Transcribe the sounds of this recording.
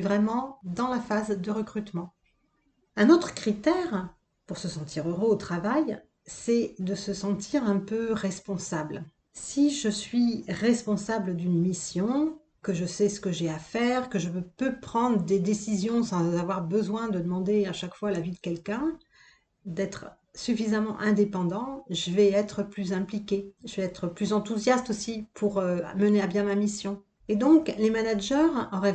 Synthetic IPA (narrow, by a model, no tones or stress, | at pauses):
vʁɛmɑ̃d̪ɑ̃lafazd̪əʁəkχyt̪mɑ̃ | ɛ̃not̪χə̥kχit̪ɛʁ | puʁsəsɑ̃t̪ʰiʁøʁøot̪χavaj | sɛd̪əsəsɑ̃t̪ʰiʁɛ̃pøʁɛspɔ̃sabl | siʒəsɥiʁɛspɔ̃sabləd̪ynmisjɔ̃ | kəʒəsɛsə̥kəʒɛafɛʁkəʒəppøpχɑ̃d̪ʁəd̪ed̪esizjɔ̃sɑ̃zavwaʁbəzwɛ̃d̪əd̪əmɑ̃d̪eaʃakfwalavid̪əkʲɛlkʲɛ̃ | d̪ɛt̪χ | syfizamɑ̰̃ʔɛ̃d̪epɑ̃d̪ɑ̃ʒəvɛɛt̪χəplyzɛ̃plikʲeʒəvɛɛt̪χəplyzɑ̃t̪uzjast̪osipʰuʁøa̰məneabjɛ̃mamisjɔ̃ | ed̪ɔ̃klemanaʒœʁɔʁɛ